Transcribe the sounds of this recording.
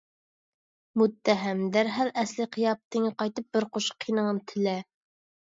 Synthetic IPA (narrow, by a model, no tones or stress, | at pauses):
mut̪ʰːæɦæmd̪æɾɦælɛsliqʰijɑp̚t̪ʰɪŋqɑjt̪ɨp̚bɪɾqʰoʃqʰːinəŋənt̪ʰɪlɛ